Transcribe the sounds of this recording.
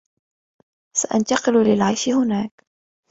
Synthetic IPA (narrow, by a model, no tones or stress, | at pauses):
saʔant̪ɑqɪllɪlʕajʃɪhʊnaːk